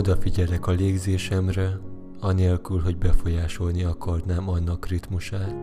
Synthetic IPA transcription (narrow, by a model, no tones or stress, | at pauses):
od̪ɒfiɟɛlɛkɒleːɡzeːʃɛmrɛ | ɒneːlkylɦo̞ɟbɛfo̞jaːʃo̞lniɒkɒrnaːmɒnːɒkrit̪muʃaːt̪